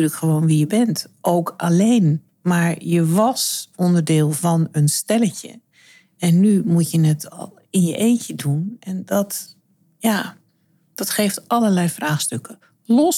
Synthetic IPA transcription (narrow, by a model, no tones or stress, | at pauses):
yləkxəʋoːnʋijəbɛntʔowkʰʔaleːn | maɹjəʋɔsɔndərdɪːlˠvɔnənstɛləcə̰ | ɛnːymutjənɛtɔ̰lˠ | ɪnjəʔeːtədunʔɛndɔt | ja | d̥ɔtxeːftɑləɹlɛjfraːxstøkə | lɔs